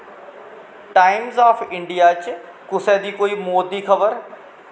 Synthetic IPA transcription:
ʈaːɪmzaːfʰɪ̃ɳɖijaːt͡ʃ | kʊsɛːd̪iːkoːimoːd̪iːkʰəbəɾ

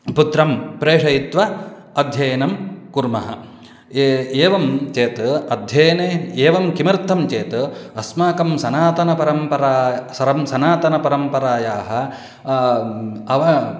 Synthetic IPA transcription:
put̪ɾɐmpɾeːʂɐjit̪ʋɐ | ɐd̪ʱjɐjɐnɐmkuɾmɐɦɐ̰ | eːʋɐmt͡ʃeːt̪ɐɐd̪ʱjɐjɐneeːʋɐmkimɐɾt̪ʰːɐmt͡ʃeːt̪ɐɐsmaːkɐmsɐnaːt̪ɐnɐpɐɾɐmpɐɾaːjsɐɾɐmsɐnaːt̪ɐnɐpɐɾɐmpɐɾaːjaːɦɐ | ɐʋɐ

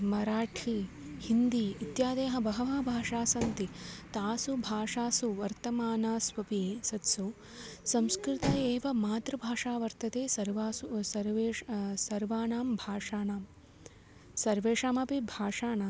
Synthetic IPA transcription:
mɐɾaːʈʰiː | hind̪iːt̪jaːd̪eːɦɐbɐɦɐʋaːbʱaːʂaːsɐnt̪it̪aːsubʱaːʂaːsuʋɐɾt̪ɐmaːnaːsʋɐpisɐt̪su | sɐmskɾɪt̪ɐeːʋɐmaːt̪ɾɐbʱaːʂaːʋɐɾt̪ɐt̪eːsɐɾʋaːsusɐɾʋeːsɐɾʋaːnaːmbʱaːʂaːnaːm | sɐɾʋeːʂaːmɐpibʱaːʂaːnaː

